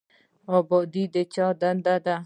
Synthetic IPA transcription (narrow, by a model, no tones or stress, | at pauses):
ɔːbɔd̪id̪et͡ʃaːd̪and̪ad̪a